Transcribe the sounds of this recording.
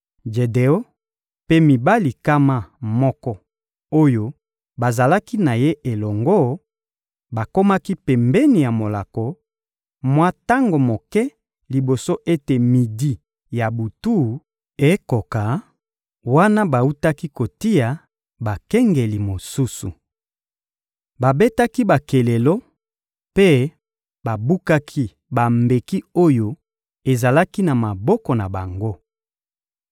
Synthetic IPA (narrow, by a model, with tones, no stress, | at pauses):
d͡ʒe˨de˨o˦ | pe˦mi˨ba˦li˨ka˦ma˦mɔ˦kɔ˦ | o˦jo˦ | ba˨za˨la˦ki˦na˨je˦ʔe˨lɔ˨ŋɡo˦ | ba˨ko˦ma˦ki˦pɛ˨mbɛ˦ni˨ja˨mo˨la˨kɔ˨ | mwa˦ta˦ŋɡo˨mo˨kɛ˦ | li˨bo˨so˦ʔe˦te˨mi˨di˦ | ja˨bu˨tu˦˨ | e˦ko˨ka˨ | wa˦na˦ba˨u˦ta˦ki˦ko˨ti˦ja˨ | ba˨kɛ˦ŋɡe˨li˨mo˨su˦sṵ˨ | ba˨be˦ta˦ki˦ba˨ke˨le˨lɔ˦ | pe˦ | ba˨bu˦ka˦kʰi˦ | ba˨mbe˨ki˦o˦jo˦ | e˨za˨la˦ki˦na˨ma˨bɔ˦kɔ˨na˨ba˨ŋɡo˦